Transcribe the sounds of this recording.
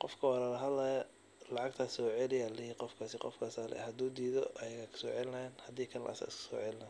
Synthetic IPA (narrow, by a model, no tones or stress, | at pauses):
qɔfkʰɐwɑlɐlɐɦɐd̪laːjɐ | lɑʕɑɡt̪ʰasɔːʕɛlɪjlɪhiːqɔfkʰaːsɪqɔ̰fkʰaːsalɛ̰hɐd̪uːd̪iːðɔʔɐjɐɣakʰɐ̥sɔːʕɛlɪnɐɛːnhɐd̪iːkʰɐnlɐ̰ʔsɐ̰ɪskʰɐ̥sɔ̰ːʕɛlɪnɐ